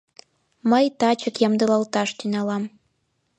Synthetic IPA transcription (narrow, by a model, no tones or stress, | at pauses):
məjt̪ɑt͡ɕəkjɑmd̪ɤlɑlt̪ɑʃt̪ynʲɑlɑm